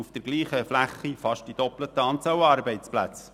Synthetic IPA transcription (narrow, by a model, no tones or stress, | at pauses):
ufd̥əɾɡliːχəflæχːifɑʃtd̥id̥̪ɔplət̪əɑːnt͡sɑwɑːɾbɛɪt͡splæt͡s